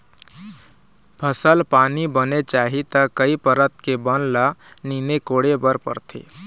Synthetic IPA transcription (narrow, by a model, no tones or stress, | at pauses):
pʰəsəlpaːnibənet͡ʃaːɦit̪əkːəipəɾət̪̚kebənlaniːnekoːɽebəɾpə̰ɾt̪ʰḛː